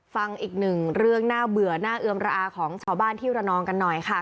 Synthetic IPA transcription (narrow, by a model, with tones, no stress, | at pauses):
fa˧ŋʔiː˨˩k̚nɯ˨˩ŋɾɯ˥˩əŋnaː˥˩bɯ˨˩ənaː˥˩ʔɯ˧əmɾa˧ʔaː˧kʰɔː˩˦ŋt͡ɕʰaː˥˩wbaː˥˩nt̪ʰiː˥˩ɾa˧nɔː˧ŋka˧nːɔ˨˩jkʰa˥˩